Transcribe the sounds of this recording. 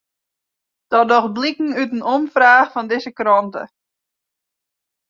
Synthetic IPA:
d̥ɔdɔxblikŋ̩ytənɔmfraːxfɔndɪzəkrɔntə̰

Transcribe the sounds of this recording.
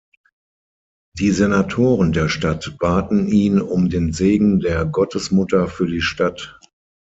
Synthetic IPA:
d̥iːzenatʰoːʁəndeːɐʃtatb̥aːtn̩iːnʊmdeːnzeːɡŋ̩deːɐɡɔtʰəsmʊtɐfyːɐdiːʃtat

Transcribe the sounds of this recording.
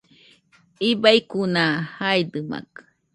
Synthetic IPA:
ibajkunahajd̪ɨma̰k

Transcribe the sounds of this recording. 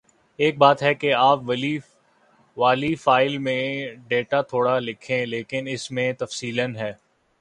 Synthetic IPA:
eːk̚baːt̪ɦɛkeaːpʋɐli | ʋaːlifaːɪlmẽɖeːʈat̪ʰoːɽalɪkʰẽleːkɪnɪsmẽt̪ɐfsiːlənɦɛː

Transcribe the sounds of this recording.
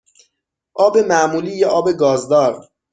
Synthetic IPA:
ʔɒːbe̞mæmuːliːjeʔɒːbe̞ɡɒːzd̪ɒːɾ

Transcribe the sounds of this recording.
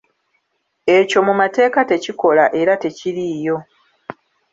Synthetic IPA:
e̞co̞mumate̞ːkate̞ciko̞laʔe̞ɾate̞cilijo̞

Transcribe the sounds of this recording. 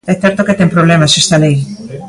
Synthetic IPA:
ɛθɛɾt̪oket̪empɾoβ̞lemasest̪alej

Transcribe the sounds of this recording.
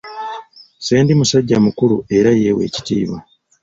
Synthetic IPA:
se̞ːndimusaɟːamukulue̞ɾaje̞we̞ːci̥tḭːβa

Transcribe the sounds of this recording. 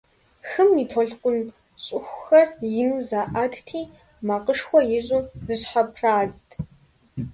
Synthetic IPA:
xɨmniːtʰɔɮqʷʼʊn | ɕʼɪxʷxɐrjɪmzaːʔadtʰiː | maqəʂxʷɔjɪʑʼuzɨɕħapʰraːztʰ

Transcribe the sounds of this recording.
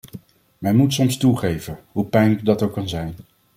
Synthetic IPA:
mɛnmutsɔmstuχejvəɦupɛjnɪkdɑtowkɑnzɛjn

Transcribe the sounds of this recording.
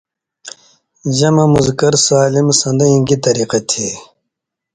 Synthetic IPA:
d͡ʑɐmɐmuzkɐɾsaːlimsɐnd̪ɐĩɡit̪ɐɾiːqet̪ʰeː

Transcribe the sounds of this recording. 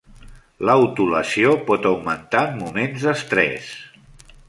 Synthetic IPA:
ləut̪uləsiopɔt̪əwmənt̪aəmːumenzðəst̪ɾɛ̰s

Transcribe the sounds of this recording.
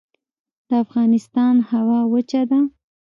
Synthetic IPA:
d̪̥əafɣɑnɪst̪ɑnhawɑwət͡ʃad̪a

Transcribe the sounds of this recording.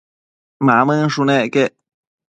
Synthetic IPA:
mãmə̃ʂunẽkeʔ

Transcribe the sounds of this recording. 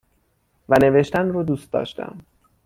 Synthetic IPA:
væne̞veʃt̪ænrod̪uːst̪̚d̪ɒ̰ːʃt̪æ̰m

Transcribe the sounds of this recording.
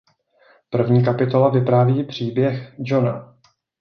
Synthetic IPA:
pr̩vɲiːk̬apɪt̪o̞lavɪpɾaːviːpr̝̥iːbjɛxd͡ʒona

